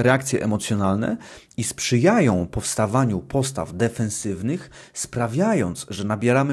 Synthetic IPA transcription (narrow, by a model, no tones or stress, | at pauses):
ɾɛak̚t̪sʲjɛ̰ʔɛmɔt̪sʲjɔnalnɛ̰ | ispʂɘjajɔ̃w̃pɔfst̪avaɲupʰɔst̪a̰vd̪ɛfɛ̃nsɘvnɘxspɾavʲjajɔnt̪sʐɛnabʲɛɾamɘ